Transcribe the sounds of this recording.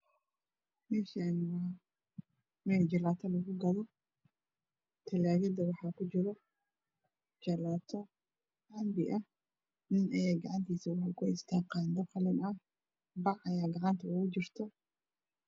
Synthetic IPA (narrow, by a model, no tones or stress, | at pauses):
mɛːʃɐnwaː | mɛːld͡ʒɐlaːt̪ʰɐlɐɣʊɡɐðɔ | t̪ʰɐlaːɣɐd̪ɐwɑħɑːkʊd͡ʒɪɾɔ | t͡ʃɐlaːt̪ʰɔ | ʔɐmbɪʔɐh | nɪnʔɐjaːɡɐʕɑnt̪ʰiːsɐwɑħlkʰʊɪst̪ʰaːqɑːnd̪ɐqɐlɪnɐ | bɑʕɐjaːɡɐʕɑnt̪ʰɐʊɣʊd͡ʒɪrt̪ʰɔ